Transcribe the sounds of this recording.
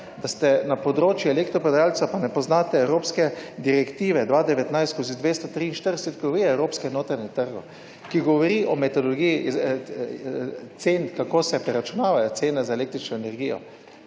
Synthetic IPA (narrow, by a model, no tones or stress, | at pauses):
d̪ast̪ɛnapɔd̪ɾoːt͡ʃjuɛlekt̪ɾɔpɛd̪ɾaːlt̪sapanɛpɔznaːt̪ɛːwɾoːpskɛd̪iɾɛkt̪iːʋɛd̪ʋaːd̪ɛʋɛt̪najst̪skoːzid̪ʋeːst̪ɔt̪ɾiːnʃt̪əɾd̪ɛsɛt̪koʋiɛwɾoːpskɛɛnoːt̪ɾanɛt̪əɾɡɔ | kiɡɔʋɔɾiʔɔmɛt̪ɔd̪ɔlɡijiz | t̪seːnkakoːsɛpɾɛɾat͡ʃunaːʋajɔt̪seːnɛzaeleːk̚t̪ɾit͡ʃnɔɛnɛɾɡijɔ̰